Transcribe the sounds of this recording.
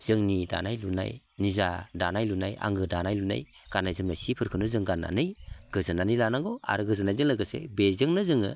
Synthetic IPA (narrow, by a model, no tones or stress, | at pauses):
z̥ɯŋnida̰najluna̰j | nizadanajlunaja̰ŋɡɯdanajluna̰j | ɡ̥anajzɯmnasipʰɯɾkʰɯnɯzɯŋɡana̰nɯjɡ̥ɯzɯnanɯjlanaŋɡoa̰ɾɯɡɯzɯnajzɯŋlaɡɯsḛbezɯŋnɯzɯŋɯ̰